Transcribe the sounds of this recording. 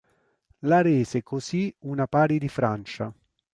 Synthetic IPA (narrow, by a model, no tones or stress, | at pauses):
laɾeːsekʰoziunapaːɾid̪ifɾant͡ʃa̰